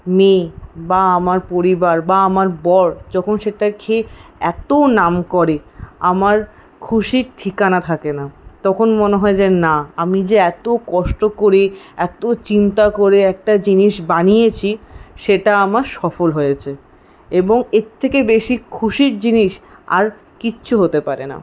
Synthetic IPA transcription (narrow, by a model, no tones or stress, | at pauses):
mebaamaɾpoɾibaɾbaamaɾbɔɾd͡ʑɔkʰonʃeʈakʰeɛt̪onamkɔɾea̰maɾ | kʰuʃiɾʈʰikanat̪ʰakenat̪ɔkʰonmoneɦɔed͡ʑenaamid͡ʑeɛt̪okɔʃʈokoɾiɛt̪ot͡ɕint̪akoɾeɛk̚ʈad͡ʑiniʃbanijet͡ɕʰiʃeʈaamaɾʃɔfolɦojet͡ɕʰe | eboŋeɾt̪ʰːekebeʃikʰuʃiɾd͡ʑiniʃa̰ɾ | kitːɕʰuɦot̪epaɾḛna̰